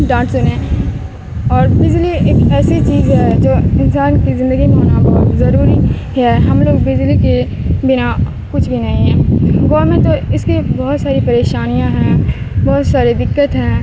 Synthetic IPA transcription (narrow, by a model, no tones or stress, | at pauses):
ɖãːʈsʊnẽ | ɔːɾbɪzlieːkɛːset͡ʃiːzɦɛd͡ʒoːɪnsaːnkizɪ̃nd̪əɡimẽɦoːnabɔːt̪zɐɾuːɾi | ɦɛɦɐmloːɡbɪzlike | bɪna | kʊt͡ʃʰbʱinɐɦĩɦɛ̃ːɡɔːɾmẽʈt̪oɪskebɔːɔt̪saːɾipɐɾeːʃaːnijãɦɛ̃ | bɔːt̪saːɾed̪ɪkːət̪ɦɛ̃ː